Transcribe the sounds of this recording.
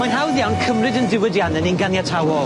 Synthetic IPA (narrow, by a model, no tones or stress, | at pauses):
manɦawðjawnkʰəmrɨdəndɪwədjanɛninɡanjatʰawɔl